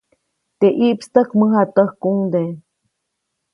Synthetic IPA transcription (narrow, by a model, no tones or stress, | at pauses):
t̪eʔiʔpst̪əkməɦat̪əhkuŋd̪e